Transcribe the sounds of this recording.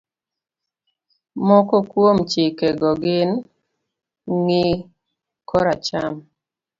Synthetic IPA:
mɔkɔkwomt͡ʃɪkɛɡɔɡɪn | ŋɪ | kɔɾat͡ʃam

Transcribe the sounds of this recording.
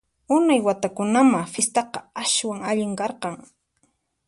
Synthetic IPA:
ʊnajwat̪akʊnamafɪst̪ɑqɑaʃwaŋaʎɪŋkɑɾqɑŋ

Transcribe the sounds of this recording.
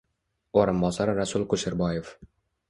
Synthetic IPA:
oɾɤ̆mbɑsɑɾrɑsulˠkuʃɘ̆rbɑjef

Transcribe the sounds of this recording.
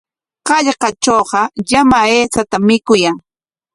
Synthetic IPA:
qɑʎqɑt͡ʃoːqɑʎamaeːt͡sat̪amːɪkʊjaŋ

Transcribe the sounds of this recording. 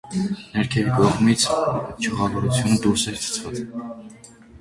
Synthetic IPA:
nɛɾkʰɛvikɔʁmit͡sʰt͡ʃʰəʁɑvɔɾut͡sʰjunəd̪uɾsɛɾt͡sʰə̥t͡sʰvɑt͡s

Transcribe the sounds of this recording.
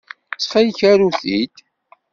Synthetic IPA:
t͡sːχæjçæɾuθit̪

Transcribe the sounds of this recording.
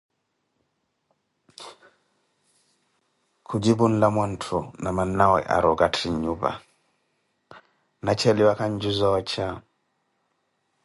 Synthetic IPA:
kʰud͡ʒibunlamantʰunamanːawɔ̰ʔa̰ɾɔɡatʰiɲuba̰ | nat͡ʃɛliwakaɲd͡ʒuzɔt͡ʃʰa

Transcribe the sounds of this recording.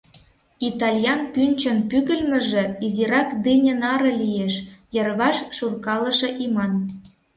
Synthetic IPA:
it̪ɑlʲjɑnpynʲt͡ɕə̆npyɣə̆lmə̆ʒĕiziɾɑkd̪enʲə̆nɑɾɤ̆lʲijeʃjɤ̆rβɑʃʃurkɑlɤ̆ʃɤ̆ʔimɑn

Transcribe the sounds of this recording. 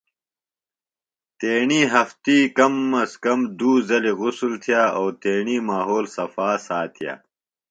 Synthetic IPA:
t̪eːɳiːɦɐft̪iːkɐmːɐskɐmd̪uːzɐliɣʊsult̪ʰijaːoːt̪eːɳiːmaːɦoːlsɐfaːsaːt̪ʰija̰ː

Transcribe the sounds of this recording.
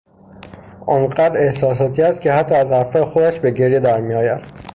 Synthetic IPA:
ʔɒːnɢæːd̪ɾe̞hsɒːs̬ɒːt̪ʰiːæst̪̚kcʰehæt̪ʰːɒːæzhæɾfɒːjexod̪æʃbe̞ɟeɾjed̪æɾmiɒːjæd̪̥

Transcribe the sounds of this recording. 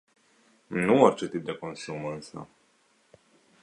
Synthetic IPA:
nuorʲt͡ʃe̞t̪ip̚d̪e̞ko̞nsumɨnsə̰

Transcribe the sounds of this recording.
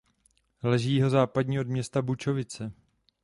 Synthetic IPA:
lɛʒiːjɦo̞zaːpadɲiːodmɲɛst̪abut͡ʃo̞vɪt͡sɛ

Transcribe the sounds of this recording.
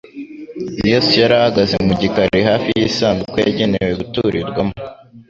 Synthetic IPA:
nijosijaɾahaɡazemuɟikaɾiɦaːfijisaːnzukojaɟe̞newe̞ɡutuɾiɾɡwamo

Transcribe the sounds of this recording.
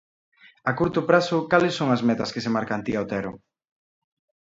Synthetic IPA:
akuɾt̪ʊpɾasʊkalɪsːoŋɐzmɛt̪ɐskesemaɾkant̪iawt̪ɛɾʊ

